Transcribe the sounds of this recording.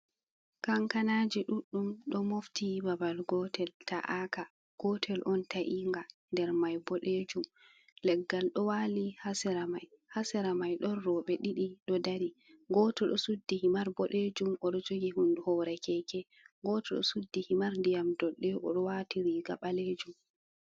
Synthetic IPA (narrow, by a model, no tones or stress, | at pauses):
kaŋkanad͡ʒiɗuɗːumɗɔmoftibabalɡɔtɛlta̰ʔaka | ɡ̥ɔtʰɛlʔɔntaʔiŋɡandɛɾmajbɔɗed͡ʒum | lɛɡːalɗɔwalihasɛɾamaj | hasɛɾamajɗɔnːɔɓɛɗiɗiɗɔdaɾiɡɔtɔɗɔsudːihimaɾbɔɗed͡ʒumʔɔɗɔd͡ʒoɡiɦunduhɔɾɛkɛkɛ | ɡɔtɔɗɔ̰sudːihimaɾndijamdɔɗːɛʔɔ̰ɗɔwatiɾiɡaɓaled͡ʒum